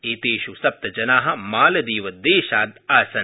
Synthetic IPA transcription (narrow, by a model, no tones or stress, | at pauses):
eːt̪eːʃusɐp̚t̪ɐd͡ʒɐnaːɦɐ̆maːlɐd̪iːʋɐd̪eːʃaːd̪aːsɐ